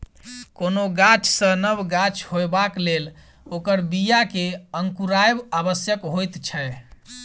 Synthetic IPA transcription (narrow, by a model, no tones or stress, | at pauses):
konoɡat͡ʃʰsə̃nəbɡat͡ʃʰhoebaklel | okəɾbijakeəŋkuɾaebabəsjəkɦojt̪t͡ʃʰɛe